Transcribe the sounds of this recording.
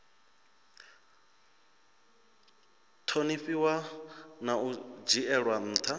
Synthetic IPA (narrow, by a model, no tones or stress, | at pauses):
tʰoniɸiwanaud͡ʒiɛɺwan̩ːt̪ʰa